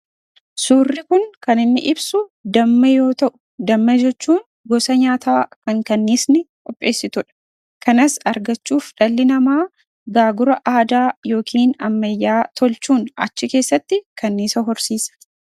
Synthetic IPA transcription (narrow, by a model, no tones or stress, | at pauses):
suːrːɪkʊŋkɐnɪnːɪ̰ʔɪbsʊd̪ɐmːɐjo̞ːt̪ɐʔʊ̥ | d̪ɐmːɐd͡ʒɛt͡ʃːuːn | ɡɔsɐɲaːt̪ʰaːkɐŋkɐnːɪsnɪkʼɔpʼːe̞ːsːɪt̪ʊᶑɐ̥ | kʰɐnɐsɐɾɡɐt͡ʃːuːfᶑɐlːɪnɐmaː | ɡaːɡʊɾɐʔaːd̪aːjo̞ːkʰiːnɐmːɐjːaːt̪ʰɔlt͡ʃuːnɐ̰t͡ʃːɪke̞ːsːɐt̪ːɪkɐnːiːsɐɦɔɾsiːsɐ̥